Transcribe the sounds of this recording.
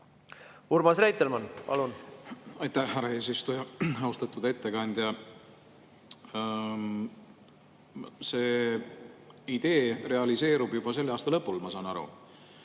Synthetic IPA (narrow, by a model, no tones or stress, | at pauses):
uɾmɑsræjt̪ːˑelmɑnpɑ̰lunɑjt̪æhɦæɾɑe̞ːsist̪ujɑɑust̪ɑt̪ːud̪e̞t̪ːe̞kɑnʲd̪̥jɑ | se̞ː | id̪̥e̞ːre̞ɑlise̞ːɾub̥jub̥ɑse̞lːɑːst̪ɑlɤpːˑulmɑsɑːnɑɾṵ